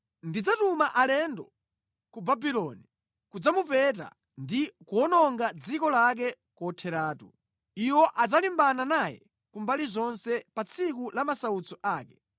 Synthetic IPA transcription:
ndid͡zatumaʔalɛndɔ | kubabilɔːni | kud͡zamupɛta̰ | ndikuɔnɔŋɡad͡zikɔlak̬ɛ | kɔtʰɛɾaːtṵ | iwɔʔad͡zalimbananajɛ̰ | kumbalizɔnsɛpat͡sʰikulamasaut͡sʰɔʔaːkɛ

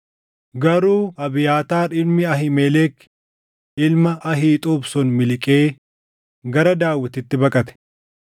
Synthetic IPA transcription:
ɡɐɾuːɐbɪjaːt̪aːɪlmɪɐɦɪmeːlɛːk | ɪlmɐʔɐɦiːt̪ʼuːbsɔnmɪlɪkʼeː | ɡɐɾɐd̪aːwːɪt̪ɪt̪ːɪbɐkʼɐt̪ɛ̥

